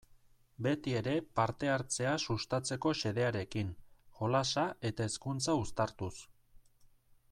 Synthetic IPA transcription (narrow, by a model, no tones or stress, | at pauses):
be̞t̪ie̞ɾe̞paɾt̪e̞aɾt͡se̞asust̪at͡se̞ko̞ʃe̞ð̞e̞aɾe̞kinxo̞lasaʔe̞t̪ae̞skunt͡saust̪aɾt̪us